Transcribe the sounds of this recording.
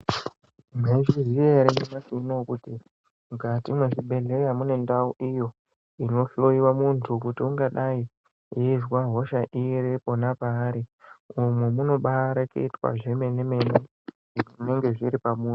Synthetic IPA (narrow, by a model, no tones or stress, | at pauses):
meʐiʐiaɾenemasinokuti | mukatimweʐiɓe̞ɮe̞jamune̞ndauʔijo̞ | ino̞ɬoiwamuntʰukutiuŋɡaɗai | jeizwaɦo̞ʃaʔiɾeponapaːɾiumwemuno̞ɓaɾakḛitwa̰ʐemeneme̞ne | ne̞ŋɡe̞ʐiɾipamuːnu